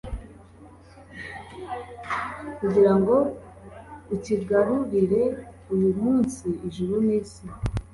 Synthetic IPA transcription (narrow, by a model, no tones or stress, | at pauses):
kuɟiɾaŋɡo̞ | uciɡaɾuɾiɾe̞ | ujumuːnsiʔiʒuɾuniːsi